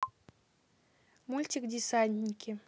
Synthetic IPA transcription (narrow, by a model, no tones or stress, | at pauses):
mulʲtʲikd̪ʲisanʲt̪ʲnʲikʲʰi